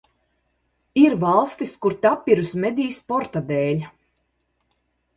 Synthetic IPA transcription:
iɾvalˠst̪iskuɾt̪apːiɾusmɛd̪ʲiːspɔɾt̪ad̪ɛːlʲ

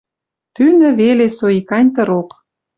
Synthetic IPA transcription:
t̪ynə̆βelesoikɑnʲt̪ə̆ɾok

